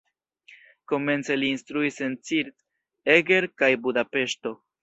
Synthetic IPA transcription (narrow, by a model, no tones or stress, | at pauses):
ko̞me̞nt͡se̞liːnstɾuise̞nt͡siɾt | eɡe̞ɾkajbudape̞ʃto̞